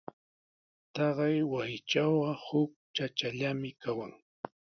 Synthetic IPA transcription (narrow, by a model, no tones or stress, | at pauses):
t̪ɑɢɑjwajt͡ʃawɢɑhʊk̚t͡ʃat͡ʃaʎamɪkawaŋ